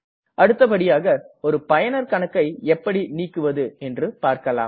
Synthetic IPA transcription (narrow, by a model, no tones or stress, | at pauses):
ʔɐɽɯt̪ːɐpɐɽɪjaːɣɐɔɾɯpɐjɐnɐɾkɐɳɐkːɐɪɛpːɐɽiniːkːɯʋɐðɯɛndrɯpaːɾkɐla̰ːm